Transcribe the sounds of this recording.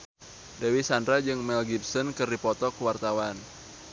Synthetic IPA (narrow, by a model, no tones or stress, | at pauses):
dawisandɾad͡ʒɨŋmɛlɡip̚sɔnkɨrdipɔt̪ɔkwart̪awan